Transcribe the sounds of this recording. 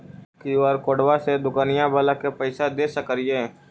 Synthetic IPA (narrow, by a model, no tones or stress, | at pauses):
kiɔːɾkoːɽwased̪ʊkaːnijãbəlakepəɪsad̪eːsəkɾijeː